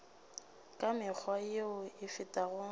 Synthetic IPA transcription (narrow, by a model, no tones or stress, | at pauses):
kʼamɪk͡xʰwajeʊɪfɪtʼaɣʊ